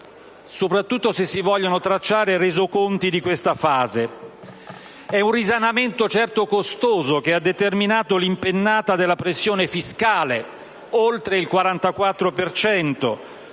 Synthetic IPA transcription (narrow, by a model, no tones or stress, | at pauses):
sopɾat̪ːut̪ːosesːivɔʎːonot̪ɾat͡ʃːaːɾerezokont̪id̪ikwest̪afaːze | ɛunrizanament̪ot͡ʃɛrt̪okost̪oːzok̟ead̪ːet̪erminaːt̪olimpenːaːt̪ad̪elːapɾesːjoːnefiskaːle | olt̪ɾeilkwaɾant̪akwat̪ːɾopert͡ʃɛnt̪o̰